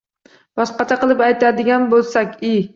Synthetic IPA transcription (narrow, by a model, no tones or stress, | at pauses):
bɒsqɑt͡ʃ̪ʰaqɨlˠɪpajt̪ʰad̪ɪɡʲanbolˠsakʲi